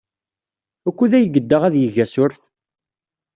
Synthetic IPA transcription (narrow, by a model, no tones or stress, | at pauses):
ækʷːuðæjəɡəd̪ːəʁæðjəʝæsʊɾf